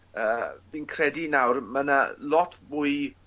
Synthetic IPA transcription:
əːviːnkʰrɛdinawrməna̰lɔtʰbʊɨ

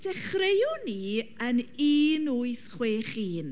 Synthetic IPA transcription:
d̥ɛχrejʊniəniːnuːɨθχweːχiːn

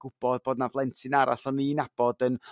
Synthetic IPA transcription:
ɡ̥ʊb̥ɔd̚boːdnavlˠɛntʰɪnaɾa̰ɬɔninab̥ɔdən

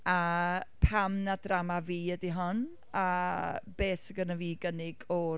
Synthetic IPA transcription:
apʰamnadramaviːədiɦɔn | ab̥eːsəɡənaviːɡənɪɡ̥ɔ

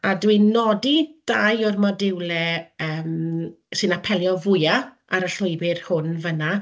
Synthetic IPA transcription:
adwinɔdid̥ajʊrmɔdɪwlˠɛəːm | sɨnapʰɛlˠjɔvʊja | aɾəɬʊjbɪrhʊnvəna

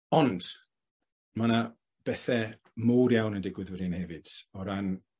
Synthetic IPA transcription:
ɔnd̥ | mana | b̥ɛθɛ | muːɾjawnəndɪɡwɪðwədinhɛvɨd̥ɔɾan

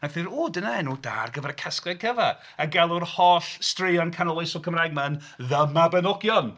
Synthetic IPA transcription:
aθɪɾuːdənaɛnuda̰ːrɡəvɛɾəkʰaskrɛɡ̚kʰəvɛr | əɡɛlˠʊrhɔɬstrɪjɔnkʰanɔlˠasɔkʰəmraːjɡ̚man | ðəmabɛnɔɡjɔn

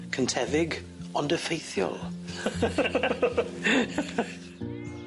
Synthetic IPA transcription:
kʰəntʰɛvɪɡ | ɔndəfejθjɔ̰lˠ

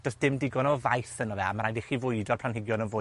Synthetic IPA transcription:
d̥ɔsd̥ɪmdɪɡɔnɔvajθənɔvɛa̰maɾajndɪχivʊɨdɔrpʰlanhɪɡjɔnənvʊ

